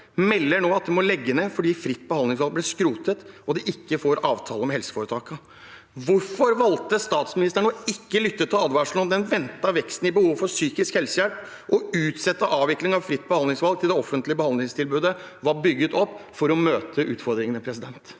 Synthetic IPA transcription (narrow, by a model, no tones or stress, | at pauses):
mɛlːəɳoːɑt̪̚d̪ɛmɔlɛɡːənefɔɖiːfɾɪt̪ːbəhɑnd̪lɪŋsʋɑlɡ̚blɛskɾuːt̪ət̪ɔd̪ɛʔɪkːəfoːɾʔɑːʋt̪ʰɑːləɔmhɛlsə̥foːɾət̪ʰɑːkə | ʋʊɾfɔɾʋɑlt̪əst̪ɑːt̪smɪnɪst̪əɳɔɪkːəlʏt̪ːət̪ʰːɪlɑd̪ʋɑʂlɔnd̪ɛnʋɛnt̪ːɑʋɛkst̪n̩ɪbəhuːʋfɔsyːkɪskhɛlsəjælp | ʔɔʉːt̪sɛt̪ːəʔɑːʋʋɪklɪŋɑʋfɾɪt̪ːbəhɑnd̪lɪŋsʋɑlɡ̪̚ʰɪld̪ɛɔfːənt̪lɪəbəhɑnd̪lɪŋst̪ʰɪlbʉːd̪ə | ʋɑbʏɡːət̪ɔpːfɔɾɔmøːt̪ʰəʉːt̪fɔɾd̪ɾɪŋənɛpʰɾɛsɪd̪ɛnt̪